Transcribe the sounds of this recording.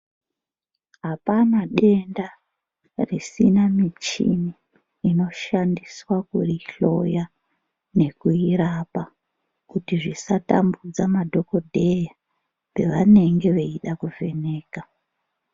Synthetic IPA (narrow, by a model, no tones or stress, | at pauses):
ɦapanaɗe̞nda | risinamit͡ʃḭniː | no̞ʃandiswakṵriɬo̞̰ja | ne̞kuiɾapa | kutiʐisata̰mbud͡zamadʱo̞ko̞dʱe̞ja | pe̞ʋane̞ŋɡe̞ʋeiɗakuve̞ne̞ːka